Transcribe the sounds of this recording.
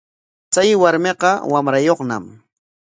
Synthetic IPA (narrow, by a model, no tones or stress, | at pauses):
t͡sajwaɾmeqɑwamɾajoχna̰m